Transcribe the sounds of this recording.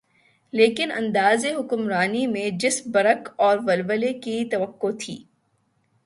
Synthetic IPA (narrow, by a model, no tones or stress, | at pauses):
leːkɪnɐ̰̃nd̪aːzeɦʊkʊmɾaːnimẽd͡ʒɪsbɐɾəkɔːɾʋɐlʋəlekit̪ɐʋəqːot̪ʰḭː